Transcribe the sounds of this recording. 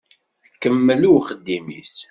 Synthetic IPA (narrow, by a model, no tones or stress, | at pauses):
θkːəmːəluwχəd̪ːimḭs